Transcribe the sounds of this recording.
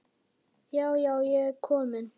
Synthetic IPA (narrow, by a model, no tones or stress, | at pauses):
jɑʊjɑʊjɛkʰɔmən